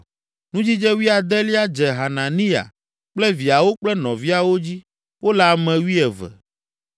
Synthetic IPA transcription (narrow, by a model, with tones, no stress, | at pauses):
nũ˦d͡ʑi˦d͡ʒɛ˦wi˦a˨d̪ɛ˦li˦a˦d͡ʒɛ˨ɦa˨nã˨nĩ˦a̰˨ | k͡plɛ˦vi˨a˨wo˦k͡plɛ˦nɔ̃˨vi˦a˨wo˦d͡ʑi˦ | wo˦la˨mɛ̃˨wi˦ɛ˨vɛ̰˨